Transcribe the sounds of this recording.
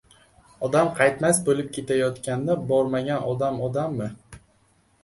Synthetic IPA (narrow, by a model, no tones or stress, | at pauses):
ɒd̪amqʰɑjt̪masbolɪp̚kʲʰe̞t̪ʰajɒt̪kʲand̪abɒɾmaɡʲanʔɒd̪amɒd̪amːɪ